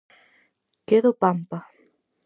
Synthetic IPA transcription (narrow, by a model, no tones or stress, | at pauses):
keðopampa